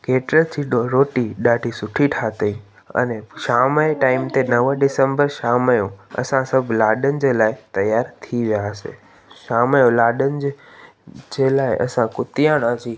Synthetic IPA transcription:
keːʈɾət͡ɕʰiɗoɾoːʈiɗaːɖʱisʊʈʰiʈʰaːt̪əĩ | ɐ̰neʃaːməeʈaːɪmt̪enɐʋəɖɪsəmbəɾʃaːməjõɐ̰sãsɐbʱlaːɗənɪ̆d͡ʑeːlaːɪt̪ɐjaːɾt̪ʰiʋijaəsḛ | ʃaːmjõlaːɗənɪ̆d͡ʑ | d͡ʑeːlaːɪʔɐ̰sãkʊt̪ijaːɽ̃ad͡ʑiː

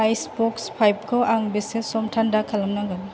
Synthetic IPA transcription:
ajsbɔkspʰajb̚kʰɔaŋbesesɔmtʰandakʰalamnaŋɡan

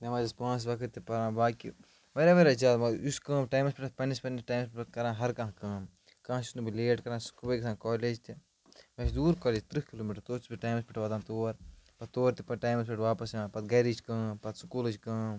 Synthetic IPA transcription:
nɐmɐːd͡ʒispãːns̬ʋɐkʰɨt̪ːipɐɾãːbaːkḭ | mɐɾɐʋɐɾɐd͡ʒaːd̪mɐuskɐ̃ːʈaːmɐspʲiʈʰɐpɐnispɐnːisʈaːmspiʈkɐɾãːɦɐɾkɐ̃ːɦkɐ̃ː | kãːɦsi̥snubileːʈkɐɾãːskubɐjksãːkoːleːd͡ʒt̪i | mɐʃd̪uːɾkɐːlit͡ʃʲt̪ɾɨhkiloːmiʈɐɾt̪oːt͡ʃʰbiʈaːjmɐspʲiʈʰʋɐːd̪aːt̪oːɾpɐt̪t̪oːɾt̪ipɐʈaːjmɐspʲiʈʋaːpɐsjãːpɐt̪̚ɡɐɾit͡ʃkɐ̃ːpɐt̪su̥kuːlɨd͡ʒkɐ̃ː

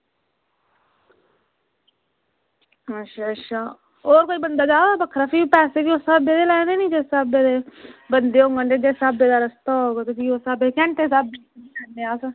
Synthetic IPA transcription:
əʃaːʃʰaː | oːɾkoːiːbənd̪aːd͡ʒaːosabəkʰɾaːpʰiːpɛːseːkiːoːsabeːd̪eːlɛːneːnĩːd͡ʒesabeːd̪eːbənd̪eːõŋɡənɖeːd͡ʒeːsabeːd̪aːɾəst̪aɦoːɡot̪ʊsiːosabekɛ̃ɳʈeːsabeəneːaːsa

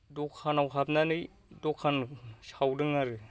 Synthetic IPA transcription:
dɔkʰanawɦapnanɯj | dɔkʰansawdɯŋaɾɯ

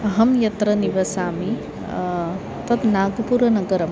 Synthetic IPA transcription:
ɦɐmjɐt̪ɾɐniʋɐsaːmi | t̪ɐt̪naːɡupuɾɐnɐɡɐɾɐm

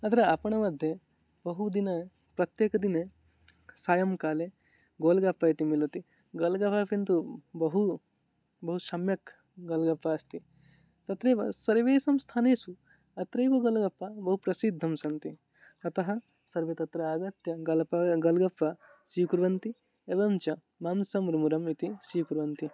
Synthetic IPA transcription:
ɐt̪ʰɐɾeɐpɐɳɐmɐd̪ʱje | bɐɦud̪inɐ | pɾɐt̪jeːkɐd̪ine | saːjɐmkaːle | ɡoːlɡɐpːɐjit̪imilɐt̪i | ɡɐlɡɐpʰɐpint̪ubɐɦu | bɐɦuʃɐmjɐk | ɡɐlɡɐpːɐɐst̪i | t̪ɐt̪ɾeːʋɐsɐɾʋeːsɐmst̪ʰaːneːsu | ɐt̪ɾɐjʋɐɡɐlɡɐpːɐbɐɦupɾɐsid̪ʱːɐmsɐnt̪i | ɐt̪ɐɦɐ | sɐɾʋet̪ɐt̪ɾɐaːɡɐt̪jɐɡɐlɐɡɐlɡɐpːɐ | sijukuɾʋɐnt̪i | ebɐmt͡ʃɐ | maːmsɐmɾimuɾɐmit̪isijukuɾʋɐnt̪i

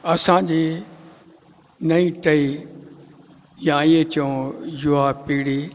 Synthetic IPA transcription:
ɐsãd͡ʑiː | nɐĩʈɐi | jãiẽt͡ɕɐõjʊɦapiːɽiː

